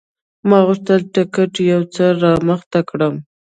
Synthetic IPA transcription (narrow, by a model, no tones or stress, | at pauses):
mɑɣʊʂt̪əlʈɪkaʈjawt͡səɾɑməxt̪akɽəm